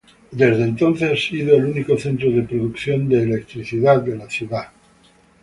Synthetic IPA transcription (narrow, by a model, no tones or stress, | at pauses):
d̪e̞zðeːnt̪o̞nθessiðoeluniko̞θe̞nt̪ɾoðe̞pɾoðukθjo̞nd̪eːle̞k̚t̪ɾiθiðaðde̞laθjuða